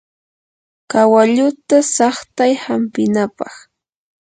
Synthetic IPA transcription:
kawaʎʊt̪asɑχt̪ajhampɪnapɑχ

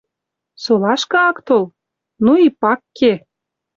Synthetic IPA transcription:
solɑʃkɤɑkt̪ol | nuipɑkːe

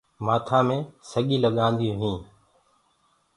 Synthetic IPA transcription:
maːt̪ʰaːmẽːsəɠiːləɠãːnd̪ijõːɦĩː

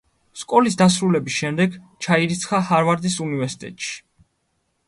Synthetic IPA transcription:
skʼɔlisd̪asɾulɛbisʃɛmd̪ɛɡt͡ʃʰaiɾit̪sʰχahaɾvaɾd̪isunivɛɾsi̥t̪ʼɛ̰t̪ʼʃi̥

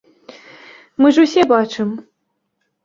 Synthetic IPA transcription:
mɨʐusʲɛbat͡ʂɨm

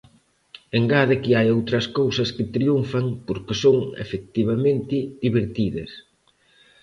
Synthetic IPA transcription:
eŋɡaðɪkiajowt̪ɾɐskowsɐskɪt̪ɾiuɱfɐŋpoɾkɪsoŋḛfek̚t̪iβamẽnt̪ɪðiβeɾt̪iðɐ̰s

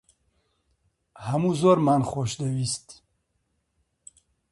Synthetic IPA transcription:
hamuzɔɾmanχoʃd̪awist̪

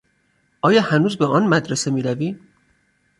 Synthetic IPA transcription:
ɒːjɒːhænuːzbeɒːnmæd̪ɾese̞miːɾæviː

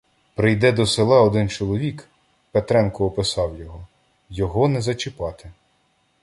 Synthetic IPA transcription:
pɾɪjd̪ɛd̪ɔselˠɑɔd̪ɪnt͡ʃɔlˠɔʋʲik | pet̪ɾɛnkʊːpɪsɑwjɔɦɔ | jɔɦɔnɛzɐt͡ʃɪpɑt̪ɪ

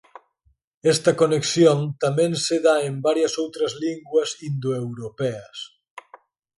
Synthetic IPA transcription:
ɛst̪ɐkoneksjont̪amẽnseðaembaɾjɐsowt̪ɾɐzliŋɡwɐsind̪oewɾopɛɐs

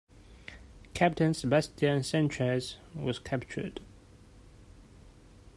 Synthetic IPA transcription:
kʰæp̚tʰə̃nsəbastiə̃nsɛ̃nt͡ʃəzwɔz̥kʰæp̚t͡ʃə̰d̥

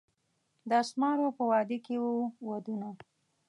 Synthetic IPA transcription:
d̪asmɑɾopəwɑd̪ekewuwad̪una

